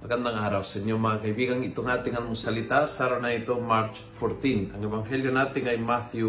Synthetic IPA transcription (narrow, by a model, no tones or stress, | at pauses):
akand̪aŋaɾawsaiɲomaŋakaibiːɡaŋit̪oŋat̪ɪŋanmʊsalit̪asaɾanait̪omaɾt͡ʃ | fɔɾt̪inaŋɛbaŋɦɛljonaːt̪ɪŋajmaθju